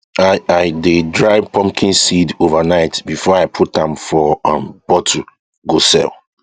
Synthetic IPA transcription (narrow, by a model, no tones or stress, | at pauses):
aaɪdedɹaɪpʰɔ̃mkʰĩnsidovanaɪtbifɔaɪpʰutãmfɔʌ̃mb̥ɔtʰu | ɡosɛ̰l